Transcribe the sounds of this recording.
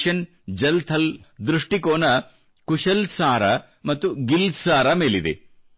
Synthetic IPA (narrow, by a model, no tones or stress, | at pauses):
ʃɐn | d͡ʒɐlt̪ʰɐld̪ɾuʂʈikoːnɐ | kuʃɐlsaːɾɐ | mɐt̪ːuɡilsaːɾɐmeːlid̪ḛ